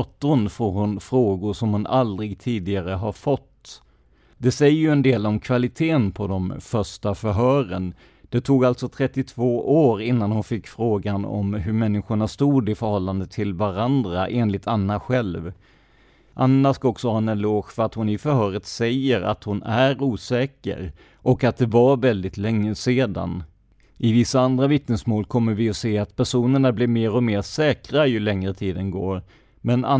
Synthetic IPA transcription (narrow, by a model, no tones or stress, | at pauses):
t̪ːʊnfoːɾhʊnfɾoːɡʊʂɔmhʊnald̪ɾɪɡt̪ʰiːd̪ɪɡaɾəɦaɾfɔt̪ː | d̪ɛsɛjːəjɵɛnd̪eːlɔmkʰvalɪt̪ʰeːnpʰɔd̪ɔmfœʂʈafœɾɦœːɾən | d̪̥ɛt̪ʰuːɡalt̪sɔt̪ʰɾɛt̪ːɪt̪ʰvoːʔoːɾɪnːanhʊnfɪkːfɾoːɡanɔ̰mɦɵɾmɛnːɪɧʊɳast̪uːd̪ɪfœɾhɔlːand̪ət̪ʰːɪlvaɾand̪ɾaʔeːnlɪt̪anːaɧɛlv | ʔanːaʂkaɔksɔhɛnːənloːkfœɾat̪hʊnɪfœɾhœːɾət̪sɛjːəɾa̰t̪hʊnæɾuːsɛːkə̰ɾ | ʔɔkat̪̚d̪ɛvaɾvɛld̪ɪt̪lɛŋːəseːd̪a̰n | ʔɪvɪsːaand̪ɾavɪt̪nəsmoːlkʰɔmːəɾvɪɔseːat̪pʰæʂuːnəɳablɪɾmeːɾɔmeːɾsɛːkɾajɵɭɛŋɾət̪ʰiːd̪ənɡo̰ːɾ | mɛna